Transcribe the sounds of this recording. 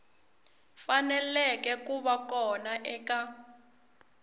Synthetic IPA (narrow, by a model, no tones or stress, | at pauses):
fanɛlɛkɛkuβakɔnaʔɛka